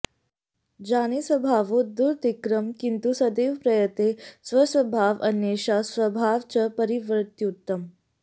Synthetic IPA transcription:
d͡ʑanisʋəbʱaʋud̪uɾt̪ikɾəmkint̪usəd̪eʋpɾəjət̪esʋəsʋəbʱaʋə̰njeɕasʋəbʱaʋt͡ɕəpəɾiʋɾt̪jut̪ːəm

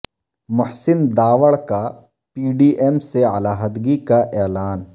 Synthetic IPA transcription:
mʊhsɪnd̪aːʋəɭka | piːɖiːʔɛmseɐlaːɦəd̪ɡikaʔɛːlaːn

